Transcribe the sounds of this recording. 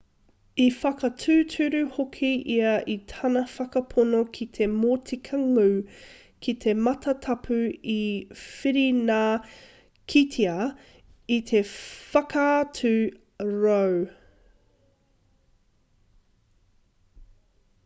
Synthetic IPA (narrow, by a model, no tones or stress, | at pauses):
ifɐkɐtʰʉːtʰʉɾʉhokʰiʔiɐʔitʰɐnɐfɐkɐpʰonokʰit̪ʰe̞moːtʰikʰɐŋʉ | kʰit̪ʰe̞mɐt̪ɐtʰɐpʰʉifiɾinaː | kʰitʰiɐ | it̪ʰefɐkɐatʰʉ | ɾow